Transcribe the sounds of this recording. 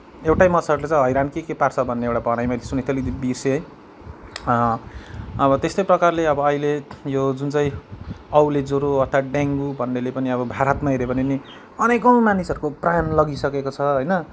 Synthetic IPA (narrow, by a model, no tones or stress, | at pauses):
ewʈajmʌt͡sʰaɾulet͡sãj̃ɦʌjɾankekepart͡sʰʌbʱʌnːeewʈabʌɽ̃ajmailesunet̪ʌlid̪ibirseɦʌj̃ | ʌbʌt̪est̪ʌjprʌkarleʌbʌʌilejod͡zunt͡saj̃ʌwled͡zoɾoʌt̪ʰaɖaŋɡubʱʌnːelepʌniʌbʌbʱaɾʌt̪maɦeɾepʌnini | ʌnekʌw̃manisʌɾukoprajnlʌɡisʌkekot͡sʰʌɦʌjnʌ